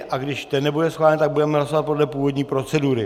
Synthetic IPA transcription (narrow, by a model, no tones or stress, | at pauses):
ʔaɡdɪʃt̪ɛnːɛbudɛsxvaːlɛnt̪aɡ̚budɛmɛɦlasovat̪̚po̞dlɛpuːvo̞dɲiːpɾo̞t͡sɛduɾɪ